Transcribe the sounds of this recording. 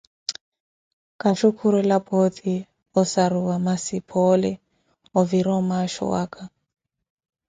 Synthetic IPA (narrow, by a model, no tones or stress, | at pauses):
kaʃukʰuɾɔlapot̪ʰi | ɔsaruwamasipʰɔlɛ | ɔviɾɔmaʃɔ̰wa̰kʰa